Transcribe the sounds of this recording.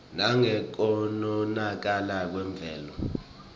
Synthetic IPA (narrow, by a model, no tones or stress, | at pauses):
naŋɛk̬ɔnɔnak̬alak̬wɛɱb̪vʱɛːlɔ